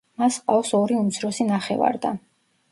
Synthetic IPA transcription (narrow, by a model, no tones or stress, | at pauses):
masqʼafsɔɾiumt̪sʰɾɔsinaχɛ̰va̰ɾd̪a̰